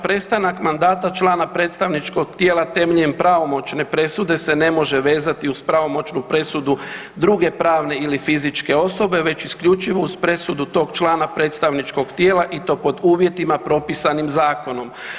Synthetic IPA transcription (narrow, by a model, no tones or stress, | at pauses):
pɾe̞st̪anakmand̪aːt̪at͡ʃlˠaːnapɾet̪st̪aʋnit͡ʃko̞ɡ̥t̪jeːlat̪e̞mʎempɾaʋo̞mo̞t͡ʃne̞pɾe̞sud̪e̞se̞ne̞mo̞ʒe̞ʋe̞ːzat̪iuspɾaʋo̞mo̞t͡ʃnupɾe̞sud̪u | d̪ɾuɡe̞pɾaːʋne̞ilifizit͡ʃke̞o̞so̞be̞ʋe̞t͡ɕiskʎut͡ʃiʋo̞uzpɾe̞sud̪ut̪o̞ːɡt͡ʃlaːnapɾe̞ːt̪st̪aʋnit͡ʃko̞ɡt̪je̞ːlaʔit̪o̞ːpo̞d̪uːʋje̞t̪imapɾo̞pisanimzaːko̞no̞m